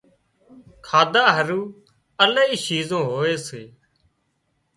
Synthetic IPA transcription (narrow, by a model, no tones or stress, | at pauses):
kʰaːd̪aːɦəɾuː | ələɦiːʃiːzõːɦoːeːseː